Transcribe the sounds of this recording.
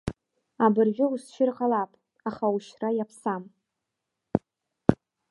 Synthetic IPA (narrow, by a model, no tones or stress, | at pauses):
abɨrʒʲᶣɪusʃʰɪrqʼalapʼ | aχauʃrajapʰsam